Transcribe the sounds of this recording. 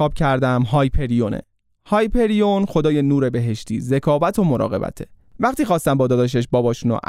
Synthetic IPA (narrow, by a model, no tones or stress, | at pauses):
ɒːb̥̚cʰæɾd̪æmɦɒːjpʰe̞ɾijonḛ | hɒːjpʰe̞ɾijonxo̞d̪ɒːje̞nuːɾe̞be̞ɦe̞ʃt̪ʰḭːze̞kʰɒːvæt̪ʰomo̞ɾɒ̰ːɣe̞bæ̰t̪ʰe | væχt̪iːxɒːst̪æmbɒːd̪ɒːd̪ɒʃ̬eʃ̬bɒːbɒːʃuːno̰ʔ